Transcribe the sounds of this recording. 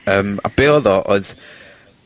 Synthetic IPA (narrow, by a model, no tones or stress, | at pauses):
əːma̰b̥eːɔðɔʔoɨð